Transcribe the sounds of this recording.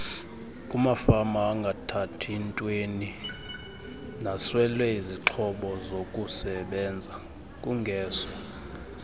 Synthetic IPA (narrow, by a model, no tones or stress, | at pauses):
kʼumafamaːŋɡʱatʰatʰintʼweni | naswɛlwɛiziǃʰɔɓɔzokʼusɛɓɛnd͡zʱa | kʼuŋɡʱɛːsɔ